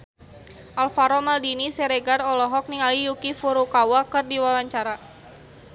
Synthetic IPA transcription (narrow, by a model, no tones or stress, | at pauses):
ʔalfaɾɔmaldinisɛɾɛɡarɔlɔɦɔk̚niŋalijukifuɾukawakɨrdiwawaɲt͡ʃaɾa